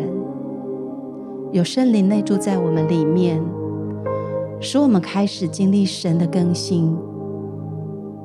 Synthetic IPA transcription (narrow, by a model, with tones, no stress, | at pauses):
n | jo˨ʊʂə˥˧nli˧˨˩ŋne˥˧ɪʈ͡ʂu˥˧t͡sa˥˩ɪwɔ˨˩mə˦nli˨˩mjɛ˥˨˩n | ʂɻ̩˧˥wɔ˨˩mə˦nkʰa˥ɪʂɻ̩˨˩t͡ɕi˥ŋli˥˩ʂə˧˥nd̪ə˨kə˥ŋɕi˥n